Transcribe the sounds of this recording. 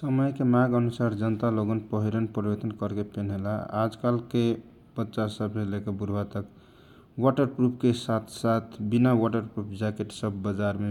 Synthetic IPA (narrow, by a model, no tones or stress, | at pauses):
səməjkemaɡənusaɾd͡ʒənt̪aloɡənpəɦiɾənpɾibet̪ənkəɾkepenɦela̰a̰d͡ʒkalke | b̥ətːʃasəbsẽlekebuɾbat̪ək | waʈəɾpɾupʰkesat̪ʰsat̪ʰbinawaʈəɾpɾupʰd͡ʒakeʈsəbːəd͡ʒaɾme